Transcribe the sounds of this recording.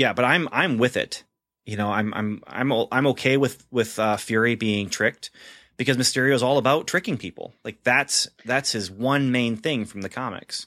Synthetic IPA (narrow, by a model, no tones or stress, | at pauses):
jæb̥ʌɾãɪ̃mã̰ɪ̃mwɪðɪ̰t | jɨnoʊã̰ɪ̃mã̰ɪ̃mã̰ɪ̃mʔã̰ɪ̃moʊkʰeɪwɪð̥wɪð̥ʌfjʊɹibiɪ̃ŋtʰɹ̥ɪk̚t̚ | b̥ɨkʌzmɨstɪɹioʊzɔlˠəbaʊtʰɹ̥ɪkɪ̃ŋpʰipl̩ˠlaɪk̚ðætsðætshɨzwʌ̃nmẽɪ̃nθɪ̃ŋfɹʌ̃mðɨkʰɑmɨ̰ks